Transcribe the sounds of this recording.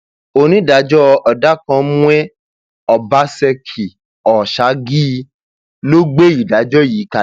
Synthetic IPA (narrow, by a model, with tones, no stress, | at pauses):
o˧nĩ˦da˨˦d͡ʒɔ˦ɔ˧da˦kɔ̃˧mũ˦ɛ˦ | ɔ˨ba˨˦sɛ˧kʰi˨ | ɔ˨ʃa˨˦ɡi˦˧ | lo˦ɡ͡be˦i˨da˨˦d͡ʒɔ˦˨ji˨˦ka˨